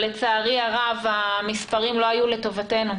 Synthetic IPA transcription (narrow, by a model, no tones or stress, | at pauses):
let͡saːʁiaʁavamispaʁimlo̞ajule̞to̞vate̞nu